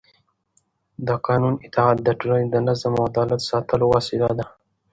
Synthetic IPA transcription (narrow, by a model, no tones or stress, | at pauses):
d̪əqɑːnunɪt̪ɑɑt̪̚d̪əʈuland̪ənazamad̪ɑːlat̪sɑt̪əlowɑsɪd̪ad̪a